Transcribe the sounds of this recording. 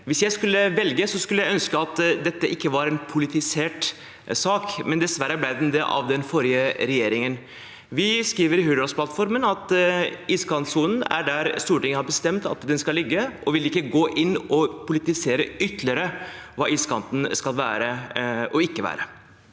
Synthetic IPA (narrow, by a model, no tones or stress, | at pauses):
ʋɪsjæɪskʉlːəʋɛlɡəsɔskʉlːəjæɪœnskəɑt̪d̪ɛt̪ːəʔɪkːəʋɑɾɛnpʰʊlɪt̪ɪseːʈ | sɑːkmɛnd̪ɛsʋæɾːəblæɪd̪ɛnd̪ɛʔɑ̰ʋd̪ɛnfɔɾjəɾɛjeːɾɪŋən | ʋɪskɾiːʋəɾɪɦʉːd̪ɑsplɑt̪fɔɾmənɑt̪iskʰɑnt̪suːnən̩æ̰ɖæɾst̪uːʈɪŋəhɑɾbəst̪ɛmt̪ɑ̰t̪d̪ɛnskɑlɪɡːəʔɔʋɪlɪkːəɡoːʔɪnːɔpʰʊlɪt̪ɪseːɾəʏt̪lɪəɾəʋɑːiːskʰɑ̰nt̪n̩skɑlʋæ̰ːɾəʔɔɪkːəʋæ̰ːɾə